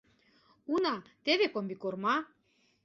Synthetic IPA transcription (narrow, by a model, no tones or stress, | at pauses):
unɑt̪eβekombikormɑ